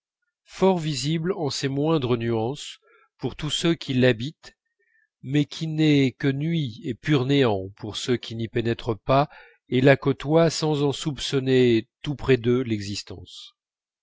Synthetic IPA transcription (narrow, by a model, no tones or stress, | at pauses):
fɔʁviziblɑ̃semwɛ̃d̪ʁənyɑ̃s | puʁt̪usøkʲʰilabit̪ | mɛkʲʰinɛkənɥiepyʁneɑ̃puʁsəkʲʰinipenɛt̪χəpa | elakɔt̪wasɑ̃zɑ̃supsɔnet̪upχɛd̪ølɛɡzist̪ɑ̰̃s